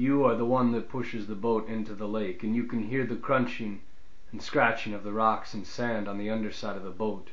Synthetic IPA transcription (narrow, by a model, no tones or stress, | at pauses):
jɨə˞ðəwʌ̃nðɨt̚pʰʊʃɨzðəboʊɾɪ̃ntʉðəleɪkɨ̃njɨkɨ̃nɦiɹðɨkʰɹ̥ʌ̃nt͡ʃɪ̃ŋ | n̩skɹæt͡ʃɪ̃ŋʌvðəɹɑksn̩sæ̃ndn̩ðiʌ̃ndə˞saɪɾʌvðəboʊt̚